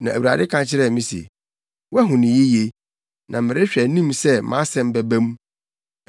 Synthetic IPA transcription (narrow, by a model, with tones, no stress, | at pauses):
nã˨æ˨u˨ɾa̰˨dɪ˦kʰã˦nt͡ɕʰɪ˦ɾɛ˦˨mĩ˦sḛ˨ | wɛ˦ɦʊ̃˨nɪ̃˨je˦je˦ | nã˨m˨mɪ˨ɾɪ˦ɕᶣæ˨nĩ˦msɛ˦mã̰˦sɛ̃˦m˦bæ˦bæ̃˦m˦